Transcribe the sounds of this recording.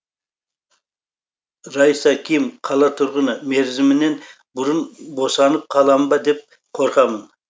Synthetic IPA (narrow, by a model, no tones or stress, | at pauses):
ɾɑjsɑkʲʰijɪmqʰɑlˠɑt̪ʰʊɾʁənəme̞ɾzɪmɪne̞nbʊɾənbo̞sɑnəp̚qʰɑlˠɑmbɑd̪e̞p̚ | qʰo̞ɾqɑmən